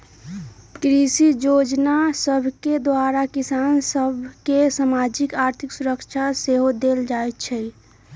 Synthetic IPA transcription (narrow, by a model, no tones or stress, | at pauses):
kɾisid͡ʒod͡ʒnasəbʱked̪waɾakisansəbʱkesamad͡ʒikaɾt̪ʰiksuɾəkt͡ʃʰaseɦod̪eld͡ʒaet̪t͡ʃʰɛ